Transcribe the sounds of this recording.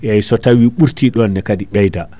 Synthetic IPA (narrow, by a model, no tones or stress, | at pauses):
jajsɔtawiɓuɾtʰiɗɔndɛkadiɓɛjda